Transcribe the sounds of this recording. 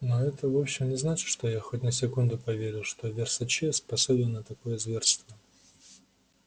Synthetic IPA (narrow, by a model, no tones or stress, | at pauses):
noɛt̪əvo̞pɕːɪmnʲɪznat͡ɕɪ̥t̪ʂt̪ojaxotʲnəsʲɪkund̪ʊpɐvʲeɾʲɪlˠʂt̪o̞vʲɪrsɐt͡ɕespɐsobʲɪnːət̪ɐko̞jəzvʲe̞rst̪və